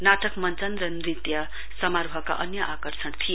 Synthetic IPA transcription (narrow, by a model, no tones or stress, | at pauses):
naʈʌkmʌnt͡sʌnrʌnrit̪jʌ | sʌmarʱʌka̰ʔʌnjʌʔakʌrsʌɳt̪ʰije